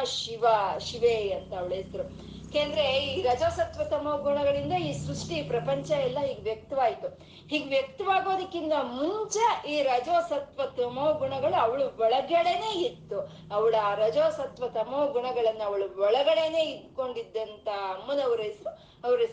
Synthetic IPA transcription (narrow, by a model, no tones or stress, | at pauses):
ʃiʋɐʃiʋeːɐnt̪ɐːʋɐɭeːsɾu | keːnd̪ɐɾeiːɾɐd͡ʒoːsɐt̪ʋɐt̪ɐmoːɡuɳɐɡɐɭind̪ɐiːsɾuʂʈipɾɐpɐɲt͡ʃɐɛlːɐɦiːɡeʋjɐk̚t̪ɐʋaːjit̪u | hiːɡʋjɐk̚t̪ɐʋaːɡo̞ːd̪ɐkːind̪ɐmuɲt͡ʃɐiːɾɐd͡ʒoːsɐt̪ʋɐt̪ɐmoːɡuɳɐɡɐɭuɐʋɐɭuʋɔɭɐɡɐɽe̞ne̞ːit̪ːu | ɐʋɐɭaɾɐd͡ʒoːsɐt̪ʋɐt̪ɐmoːɡuɳɐɡɐɭɐnːuɐʋɐɭuʋɔɭɐɡɐɽe̞ne̞ːid̪ko̞ɳɖid̪ːɐnt̪ɐmːunɐʋɾesɾu | ɐʋɐɾes